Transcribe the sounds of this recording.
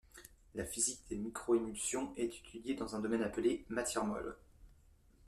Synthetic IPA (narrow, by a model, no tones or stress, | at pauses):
lafizik̚d̪̥emikχɔemylsjɔ̃ɛt̪i̥t̪ʰyd̪jed̪ɑ̃zɛ̃d̪ɔmɛnaplemat̪jɛʁmɔ̰l